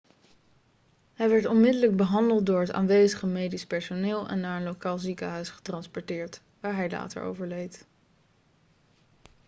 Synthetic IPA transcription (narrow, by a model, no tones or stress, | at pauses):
ɦɛjʋɛɹtɔnmɪdələɡ̚bəɦɑndəlˠt̚dʊːɹɦəta̰ːnʋejzəχəmejdispɛɹsonɪːlˠɛ̰nːaːɹənlowkaːlˠzikəɦœɥsχə̥trɑnspɔɹtɪːɹt | ʋaːɹɦɛjla̰ːtə̰ɹo̰wvəɹlejt